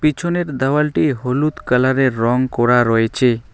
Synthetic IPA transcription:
pit͡ʃʰoneɾd̪awalʈiɦolut̪kalaɾeɾːɔŋkɔɾaɾɔet͡ɕʰe

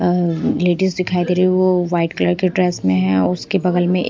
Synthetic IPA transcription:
leːɖɪsd̪ɪkʰaːid̪eːɾiiʋoʋaːɪʈkləɾkeɖɾɛːsmẽɦɛ̃ʊskebɐɡəlmẽ

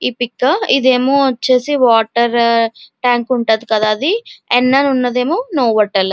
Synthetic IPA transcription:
iːpikːɐid̪e̞ːmoːɐt͡ʃːe̞ːsiʋaːʈɐɾʈaːŋkuɳʈaːd̪ikɐd̪aːɐd̪iɛnːaːnunːɐd̪eːmoːnoːʋɐʈːɐl

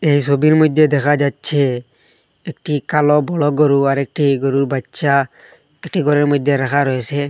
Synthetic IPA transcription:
ejsobiɾmojd̪ʱːed̪ɛkʰad͡ʒatːt͡ʃʰe | ekʈikalɔbɔɭɔɡɔɾuaɾek̚ʈiɡɔɾubatːʃa | eʈiɡɔɾeɾmojd̪ʱːeɾakʰaɾɔjesʰe

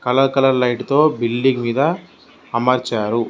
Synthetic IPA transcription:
kɐlɐɾkɐlɐɾlɐjʈut̪o̞ːbilɖiɡmiːd̪ɐː | mɐɾt͡ʃaːɾu

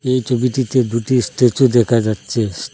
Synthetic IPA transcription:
ejt͡ɕʰobiʈit̪ed̪uʈisʈet͡ɕud̪ɛkʰad͡ʑatːɕʰe

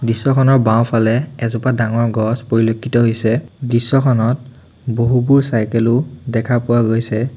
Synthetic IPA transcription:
disːɔkʰɔnɔɹbaw̃pʰalɛɛzʊpadaŋɔɹɡɔspoɹilokʰːitɔɦojsɛdisːɔkʰɔnɔt̚ | boɦubuɹsajkɛlʊdɛkʰapʊwaɡojsɛ

